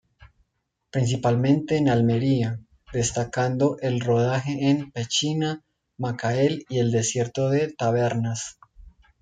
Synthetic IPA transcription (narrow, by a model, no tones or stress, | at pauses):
pɾins̬ipalmẽ̞nt̪e̞ːnalme̞ɾia | d̪e̞st̪akand̪o̞ʔe̞lro̞ðaxe̞ːnpe̞t͡ʃina | makaelie̞ld̪e̞sje̞ɾt̪o̞ðe̞t̪aβe̞ɾnas